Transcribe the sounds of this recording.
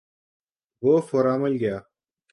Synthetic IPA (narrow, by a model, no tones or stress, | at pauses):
boːfoɾaːmɐlɡʲaː